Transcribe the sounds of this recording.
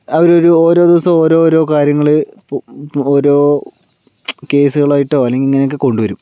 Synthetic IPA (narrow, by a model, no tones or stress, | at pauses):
ɐʋɐɾo̞ɾuo̞ːɾo̞ːd̪iʋɐsɐmo̞ːɾo̞ːɾo̞ːkaːɾjɐŋːɐɭɨpoːɾo̞ː | ke̞ːsuɣɐɭaːjiʈːoːɐlːeŋɡiliŋːɐnokːɨko̞ɳɖuʋɐɾum